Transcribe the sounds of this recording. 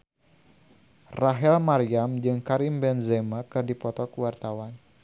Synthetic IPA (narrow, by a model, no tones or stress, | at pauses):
raɦɛlmaɾiamd͡ʒɨŋkaɾimbɛnzɛmakɨrdipɔt̪ɔkuwart̪awan